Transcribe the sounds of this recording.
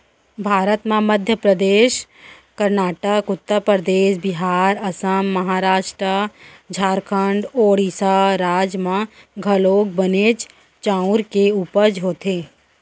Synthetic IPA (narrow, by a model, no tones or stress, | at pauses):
bʱaːɾət̪mãməd̪ʱjəpɾəd̪eːʃkəɾnaːʈəkʊt̪ːəɾpəɾəd̪eːʃbɪɦaːɾɐsəmːɐɦaːɾaːʃʈɾə | d͡ʒʱaːɾkʰə̃ɳɖoːɽiːsaɾaːd͡ʒmã | ɡʱəloːɡ̚bəneːd͡ʒ | t͡ʃãːʊɾkeuːpəɾd͡ʒɦoːt̪eː